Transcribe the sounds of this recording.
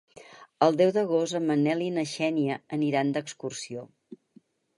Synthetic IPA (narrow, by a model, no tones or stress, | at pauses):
əlˠd̪ɛwðəɣ̞osəmənɛlinəʃɛniəəniɾand̪əkskursio